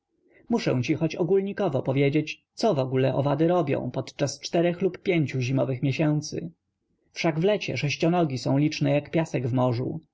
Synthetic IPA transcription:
muʂɛ̰̃w̃t͡ɕixɔt͡ɕɔɡulɲikɔvɔpɔvʲjed͡ʑet͡ɕt̪sɔvɔɡulɛʔɔvad̪ɘɾɔbʲjɔ̰̃w̃pɔt̪t͡ʂast͡ʂt̪ɛɾɛxlupːʲjeɲt͡ɕuʑimɔvɘxmʲjeɕɛnt̪sɘ̰ | fʂaɡvlɛt͡ɕɛ̰ʂɛɕt͡ɕɔnɔɡʲisɔ̃w̃lʲit͡ʂnɛjakpʲjasɛɡvmɔʐṵ

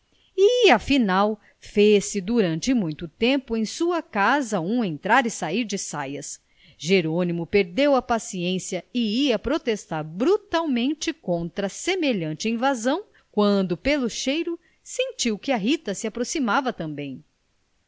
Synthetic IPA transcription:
ɪɐfinaw | fesɪd̪uɾɐ̃nt͡ʃɪmũj̃t̪ʊt̪ẽmpʊẽj̃suɐkazɐũẽnt̪ɾaɾɪsaiɾd͡ʒɪsajɐs | ʒeɾõnimʊpeɾd̪ewɐpasiẽsjɐɪiɐpɾot̪est̪aɾbɾut̪awmẽnt͡ʃɪkõnt̪ɾɐsemeʎɐ̃nt͡ʃɪĩvazɐ̃w̃ | kwɐ̃nd̪ʊpelʊʃejɾʊ | sẽnt͡ʃiwkɪɐɦit̪ɐsɪapɾosimavɐt̪ɐ̃mbẽj̃

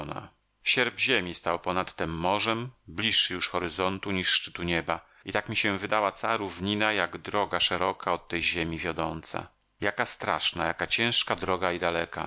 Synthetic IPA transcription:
na̰ | ɕɛɾbʑemʲist̪awpɔnat̪ːɛmːɔʐɛmblʲiʂːɘjuʂxɔɾɘzɔnt̪uɲiʂːt͡ʂɘ̥t̪uɲɛba | it̪akmʲiɕɛ̃vɘd̪awat̪saɾuvɲinajaɡd̪ɾɔɡaʂɛɾɔkaɔt̪ːɛjʑemʲivʲjɔd̪ɔnt̪sa̰ | jakast̪ɾa̰ʂna̰ja̰kat͡ɕɛ̃ʂkad̪ɾɔɡaid̪alɛka̰

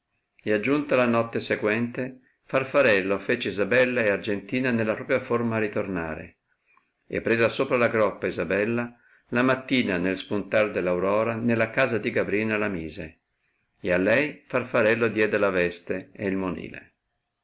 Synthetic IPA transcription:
ead͡ʒːunt̪alanɔt̪ːeseɡwɛnt̪e | farfaɾɛlːofeːt͡ʃeizabɛlːaeard͡ʒent̪iːnanelːapɾɔːpjaformaːrit̪orna̰ːɾḛ | ḛpːɾeːzasoːpɾalaɡɾɔpːaizabɛlːa | lamat̪ːiːnanelspunt̪ard̪elːawɾɔːɾanelːakaːzad̪iɡabɾiːnalamiːze | ealːɛjfarfaɾɛlːod̪jɛːd̪elavɛst̪eeilmonḭːlḛ

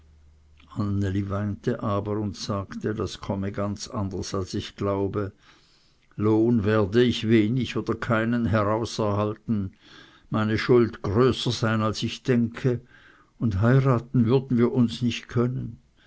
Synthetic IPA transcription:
ʔanelivaɪntəʔaːbəʁʊntsaːktədaskʰɔməɡant͡sa̰ndəsalsɪçɡ̥laʊbə | loːnveːɐdəɪçveːnɪçoːd̥ɐkʰaɪnənɦɛʁaʊsɛɐhaltn̩ | maɪnəʃʊldɡ̥ʁøːsəzaɪnalsɪçd̥ɛŋkʰə | ʊndɦaɪʁaːtn̩vʏɐdn̩viːɐʔʊnsnɪçtkʰœnən

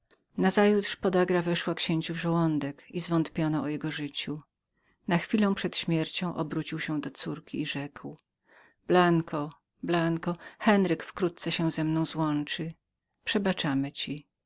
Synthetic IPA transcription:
nazajut̪ʂpɔd̪aɡɾavɛʂwakɕeɲt͡ɕuvʐɛwɔnd̪ɛkizvɔnt̪pʲjɔnɔːjɛɡɔʐɘt͡ɕu | naxfʲilɔ̃w̃pʂɛt̪ɕmʲjɛɾt͡ɕɔ̃w̃ʔɔbɾut͡ɕiwɕɛ̃d̪ɔt̪suɾkʲḭːʐɛkw | b̥laŋkʰɔ | blaŋkɔxɛnɾɘkfkɾut̪̚t̪sɛɕɛ̃w̃zɛmnɔ̃w̃zwɔnt͡ʂɘ | pʂɛbat͡ʂamɘt͡ɕi

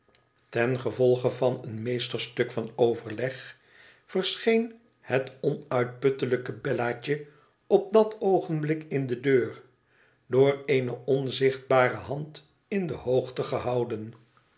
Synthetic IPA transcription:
tɛnχəvɔlˠχəvɑnənmejstəɹstɵkfɑnowvəɹlɛχ | fəɹsχejn | hətɔnœɥt̚pɵtələkəbɛlaːt͡ʃə | ɔp̚dɑtowχənblɪkɪndədøːr | dʊːrejnəʔɔnzɪχd̚baːrəɦɑnt | ɪndəhowχtəχəɦɑwdən

